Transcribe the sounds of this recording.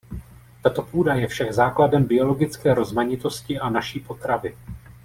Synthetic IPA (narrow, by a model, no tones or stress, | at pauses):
t̪at̪o̞puːdajɛfʃaɡzaːkladɛmbɪo̞lo̞ɡɪt͡skɛːɾo̞zmaɲɪt̪o̞scɪʔanaʃiːpo̞t̪ɾavɪ